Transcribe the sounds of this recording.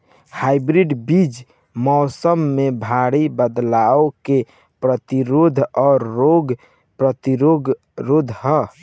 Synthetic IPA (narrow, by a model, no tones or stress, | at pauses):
haibɾiɖbid͡ʒ | mɔːsəmːebʱaɽibəd̪laoke | pɾət̪iɾod̪ʱɔːɾːoɡ | pɾət̪iɾoɡ | ɾod̪ʱɦɔ